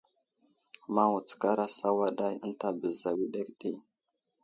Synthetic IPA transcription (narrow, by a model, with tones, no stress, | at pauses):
ma˦wu˨t͡ska˦ɾa˦sa˦wa˦ɗa˦jə˦nta˨bə˨za˨wi˦ɗe˦kɗi˦